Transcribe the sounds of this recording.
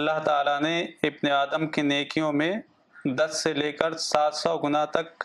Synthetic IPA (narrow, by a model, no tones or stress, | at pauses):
ɐlːaɦt̪aːlaneɪbneaːd̪əmkeneːkijõmẽ | d̪ɐsːeleːkəɾsaːt̪sɔːɡʊnat̪ɐk